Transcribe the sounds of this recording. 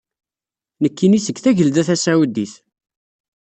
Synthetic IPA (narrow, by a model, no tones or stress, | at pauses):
nəkːinisəɡθæʝəld̪æθæsæwəd̪iθ